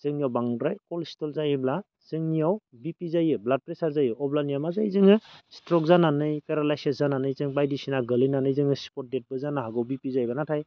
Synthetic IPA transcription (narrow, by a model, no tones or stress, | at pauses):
z̥ɯŋnijawbaŋdɾajkɔlstɔlzajɯbla | z̥ɯŋnijawbipizajɯblad̚pɾesaɾzajɯʔɔblanijamazajzɯŋɯstɾɔk̚zananɯjkaɾalajseszananɯjzɯŋbajdisinaɡɯlɯnanɯjzɯŋɯspɔt̚det̚bɯzanaɦaɡɯwbipizajbanatʰaj